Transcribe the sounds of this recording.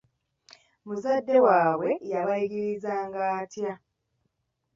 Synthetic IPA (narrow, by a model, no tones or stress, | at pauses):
muzadːe̞waːwe̞jaβaiɡiɾizaːŋɡaːtja